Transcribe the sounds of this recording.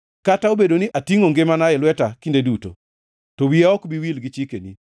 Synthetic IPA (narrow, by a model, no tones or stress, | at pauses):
kataobedoniʔatiŋoŋɡemanaɛlwɛtakindeduto̰ | tɔwiaɔkbiwilɡit͡ʃikenḭ